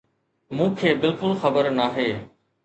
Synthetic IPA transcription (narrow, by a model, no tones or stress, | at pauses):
mũːkʰeːbɪlkʊlxɐbəɾnaːɦeː